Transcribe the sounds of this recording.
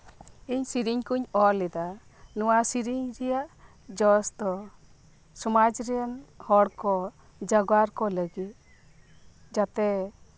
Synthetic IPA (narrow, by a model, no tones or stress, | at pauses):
iɲsiɾiɲkuɲɔlɛd̪a | nɔwasiɾiɲɾɛjaʔ | d͡ʒɔsd̪ɔ | sɔmad͡ʒɾɛjanhɔɽkɔ | d͡ʒaɡwaɾkɔləɡit̪̚ | d͡ʒat̪ɛ